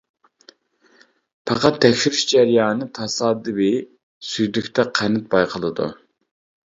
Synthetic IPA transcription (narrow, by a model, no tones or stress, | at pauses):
pʰɑqɑt̪ʰːɛkʲʃyɾyʃd͡ʒɛɾijɑːnɨt̪ʰɑsɑːd̪ɨwɪ | syjd̪ykʲt̪ʰɛqʰænɪt̪̚bɑjqʰəlˠɨd̪ṵ